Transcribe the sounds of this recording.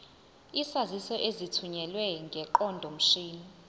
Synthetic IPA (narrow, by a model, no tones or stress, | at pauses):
isazisɔʔezitʰuɲɛlwɛŋɡʱɛǃɔndʱom̩ʃiːni